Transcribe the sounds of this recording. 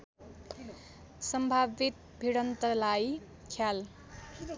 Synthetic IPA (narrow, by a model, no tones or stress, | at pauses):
sʌmbʱabit̪ | bʱiɽʌnt̪ʌlaj | kʰjal